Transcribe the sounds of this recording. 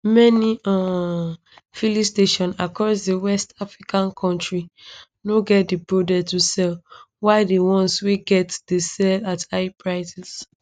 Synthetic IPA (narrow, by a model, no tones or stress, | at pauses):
mɛniã | filisteʃɔ̃nakɹɔsdewɛstafɹikʰãnkʰɔ̃ntɹi | noɡɛt̚debodɛtusɛl | waɪdewɔ̃nswiɡɛtd̥esɛlataɪpɹaɪsɛs